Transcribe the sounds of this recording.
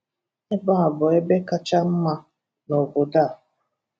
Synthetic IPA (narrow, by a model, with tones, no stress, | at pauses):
e˦ba˦˨a˨bʊ˨e˦be˦ka˦t͡ʃa˦m̩˦ma˦ | no˨ɡo˨da˦˨